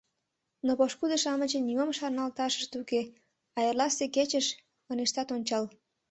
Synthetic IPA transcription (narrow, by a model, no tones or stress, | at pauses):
nopoʃkud̪əʃɑmət͡ɕĕniomʃɑrnɑlt̪ɑʃə̥ʃt̪uke | ɑjərlɑst̪eket͡ɕəʃ | əneʃt̪ɑt̪onʲt͡ɕɑl